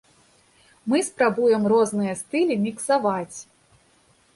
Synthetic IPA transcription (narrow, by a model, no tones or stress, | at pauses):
mɨspɾabujɛmrɔznɨjɐst̪ɨlʲimʲiksavat͡sʲ